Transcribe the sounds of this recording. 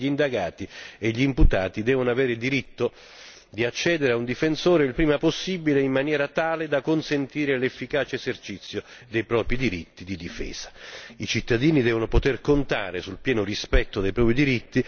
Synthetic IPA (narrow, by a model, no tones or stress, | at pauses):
ind̪aɡaːt̪ieʎːiːmput̪aːt̪id̪ɛːvonoavɛːɾɪd̪iɾit̪ːo | d̪iat͡ʃːɛːd̪eɾeaund̪ifensoːɾeilpɾiːmaposːiːbileimːanjɛːɾat̪aːled̪akːonsent̪iːɾelefːikaːt͡ʃeezert͡ʃit̪sːjod̪ejpɾɔːpɾid̪iɾit̪ːid̪id̪ifɛ̰ːz̥ḁit͡ʃit̪ːad̪iːnid̪ɛːvonopot̪erkont̪a̰ːɾesulpjɛːnorispɛt̪ːod̪ejpɾɔːpɾid̪iɾit̪ːi